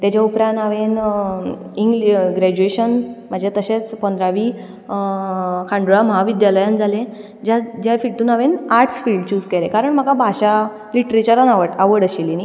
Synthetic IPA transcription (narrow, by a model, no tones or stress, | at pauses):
t̪jat͡ɕjaupɾãnaʋen | iŋɡlɡɾæd͡ʑueɕənm̤əd͡ʑʱat̪əɕet͡spənd̪ɾaʋiː | kʰãɳɖuɾaməɦaʋid̪jaləjand͡zʱalẽ | d͡ʑad͡ʑafiʈuːnaʋenaɾʈsfilɭɖt͡ɕuːd͡zkelekaɾəɳm̤əkabʱaɕa | liʈɾet͡ɕəɾanaʋəɽaʋəɽəɕilini